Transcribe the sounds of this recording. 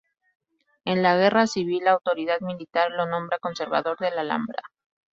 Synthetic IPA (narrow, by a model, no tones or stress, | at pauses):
e̞nlaɣ̞e̞rasiβ̞ilːaːwt̪o̞ɾið̞aðmilit̪aɾlo̞nõ̞mbɾako̞nse̞ɾβa̰ðo̞ɾðe̞lala̰mbɾa̰